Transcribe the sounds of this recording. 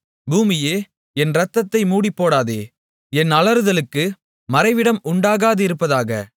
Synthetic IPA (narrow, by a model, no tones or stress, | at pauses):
buːmɪjeː | ɛnɾɐt̪ːɐt̪ːɐɪmuːɽipːoːɽaːðḛː | ɛnɐlɐɾɯðɐlɯkːɯ | mɐɾɐɪʋɪɽɐmʊɳɖaːɣaːðɐɪɾɯpːɐðaːɣɐ̰